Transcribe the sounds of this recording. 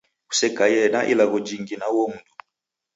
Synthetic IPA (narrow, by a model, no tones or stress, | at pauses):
u̥sɛkajɛnaʔḭlaɣɔd͡ʒiŋɡinawɔm̩du